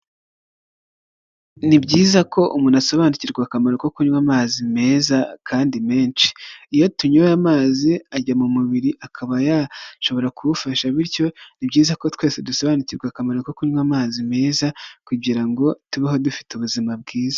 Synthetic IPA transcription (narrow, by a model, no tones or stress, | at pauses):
nibɟiːzako̞ʔumuːnaso̞βaːniciɾɡwakamaɾokokuɲwamaːzime̞ːzakʰaːndime̞ːnt͡ʃi̥ːjo̞tuɲojamaːziaɟamumuβiɾiʔakʰaβajaʃo̞βo̞ɾakuβufaʃaβiɾɟo̞nibɟiːzako̞twe̞ːseduso̞βaːniciɾɡwakamaɾoko̞kuɲwamaːzime̞ːzakuɟiɾaŋɡo̞tuβaɦo̞dufi̥tuβuzimabɡiːza